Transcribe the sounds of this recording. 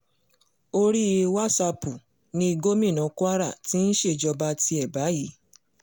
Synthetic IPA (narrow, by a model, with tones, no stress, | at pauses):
o˦ɾi˦˧wa˦sa˧pu˨ | nĩ˧i˧ɡo˦mĩ˦˨nɔ̃˨˦kʷa˦ɾa̰˦˨ti˦n̩˦ʃe˦˨d͡ʒɔ˧ba˧ti˧ɛ˦˨ba˨˦ji˨˦